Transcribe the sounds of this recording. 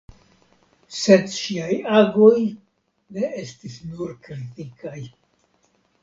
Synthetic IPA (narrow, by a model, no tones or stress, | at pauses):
se̞dʃiajaɡo̞j | ne̞ʔe̞stisnuɾkɾitikaj